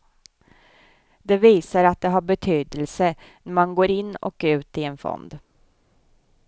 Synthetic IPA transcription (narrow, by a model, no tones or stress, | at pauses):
d̪ɛviːsaɾat̪̚d̪ɛɦabɛt̪ʰyːd̪əlsə | nɛmanɡoːɾɪnːɔ̰kʉ̟ːt̪ɪenfɔ̰nd̪